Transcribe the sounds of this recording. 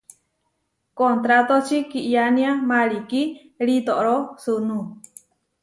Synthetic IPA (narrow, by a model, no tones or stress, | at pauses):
kont̪ɾat̪ot͡ʃikiʔjanĩamaɾiki | ɺit̪oʔɾosunũ